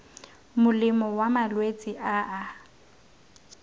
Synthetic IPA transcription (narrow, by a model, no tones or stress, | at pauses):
mʊlɪmɔwamalwet͡sʼɪʔaʔa